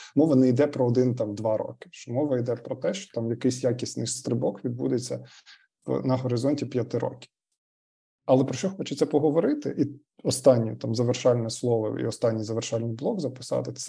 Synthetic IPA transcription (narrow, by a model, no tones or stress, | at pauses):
mɔʋɐnɛjd̪ɛpɾɔːd̪ɪnt̪ɑmd̪ʋɑɾɔ̰kɪ̥ʃt͡ʃɔmɔʋɐid̪ɛpɾɔt̪ɛʃt͡ʃɔ̥t̪ɑmjɐkɪjsʲjakʲisʲnɪjst̪ɾɪbɔkʋʲid̪̚bṵd̪et͡sʲːɐ | nɐɦɔɾɪzɔnʲtʲipjɐt̪ɪɾɔ̰kʲi̥ | ɐlˠɛpɾɔʃt͡ʃɔxɔt͡ʃet͡sʲːɐpɔɦɔʋɔɾɪt̪ɪʔi | ɔst̪ɑnʲːit̪ɑmzɐʋerʃɑlʲnɛslˠɔʋɔ̰ḭɔst̪ɑnʲːijzɐʋerʃɑlʲnɪjblˠɔɡzɐpɪ̥sɑ̰t̪ɪ